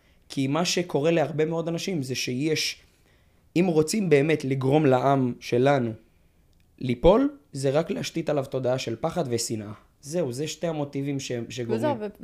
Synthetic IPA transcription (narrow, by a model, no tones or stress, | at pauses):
kʰimaʃe̞kʰo̞ʁe̞leaʁbe̞meo̞d̪anaʃimzeʃejeʃ | imʁo̞t͡simbe̞ːme̞tliɡʁo̞mlaʔamʃe̞lanu | lipo̞lze̞ʁakleaʃtit̪alavto̞d̪aaʃe̞lpaχad̪vesinʔa | ze̞uzeʃteamo̞tivimʃeʃeɡoim